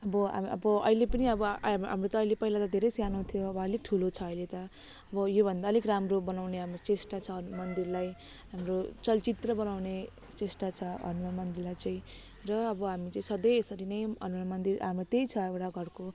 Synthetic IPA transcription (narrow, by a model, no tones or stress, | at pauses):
ʌbʌa̰mʌ̰bʌʌ̰ilepʌniʌbʌɦa̰mrot̪ʌːjlepʌɦilat̪ʌd̪ʱeɾʌjsjanot̪ʰijoʌbʌːlek̚ʈʰulot͡sʰʌːjlet̪ʌ | ʌbʌjobʱʌnd̪aʌlikramrobʌnawneɦamrot͡sesʈat͡sʰʌmʌnd̪irlaj | ɦamrot͡sʌlt͡sit̪rʌbʌnawne | t͡sesʈat͡sʰʌʌ̰nmamʌnd̪irlajt͡saĩ | rʌːbʌɦamit͡saĩsʌd̪ʌjesʌɾinʌjʌnnamʌnd̪irɦamrot̪ejt͡sʰʌewʈaɡʱʌɽko